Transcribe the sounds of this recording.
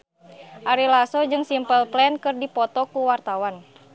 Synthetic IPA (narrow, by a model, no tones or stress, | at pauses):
ʔaɾilasɔd͡ʒɨŋsimpəlplɛnkɨrdipɔt̪ɔkuwart̪awan